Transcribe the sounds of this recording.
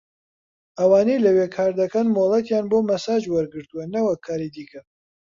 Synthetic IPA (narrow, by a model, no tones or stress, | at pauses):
ʔɐwaːnejlɐweːkʰaːɾd̪ɐkɐnmolˠɐt̪jaːnboːmɐsaːd͡ʒwɐɾɡɨɾt̪uwɐnɐwɐkʰːaːɾiːd̪iːkʰɐ